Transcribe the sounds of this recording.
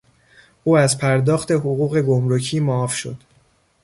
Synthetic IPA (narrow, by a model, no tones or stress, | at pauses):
ʔuːæzpʰæɾd̪ɒːxt̪e̞ɦoɣuːɣe̞ɡomɾocʰiːmoːfʃo̞̰d̪̥